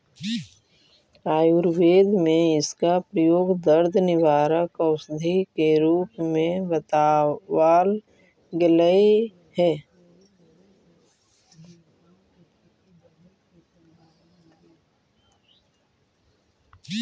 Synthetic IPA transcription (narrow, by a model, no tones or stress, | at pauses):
aːjuɾweːd̪mẽɪskapɾəjoːɡd̪əɾd̪ʱnɪʋaːɾəkəʊsd̪ʱikeɾuːpmẽbət̪aːwaːl | ɡɪləi | hɛː